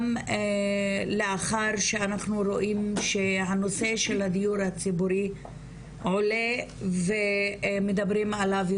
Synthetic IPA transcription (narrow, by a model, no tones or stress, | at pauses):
m | leaχaɾʃeanaχnuɾo̞ʔimʃe̞ɦano̞se̞ʃe̞lhad̪ijuɾhat͡sibuɾi | ʕo̞le̞vemed̪abɾimʕalavj